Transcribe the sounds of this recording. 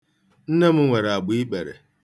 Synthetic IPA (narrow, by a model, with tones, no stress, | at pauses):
n̩˦ne˦m̩˦ŋʷe˨ɾa˨ɡ͡bi˦k͡pe˨ɾḛ˨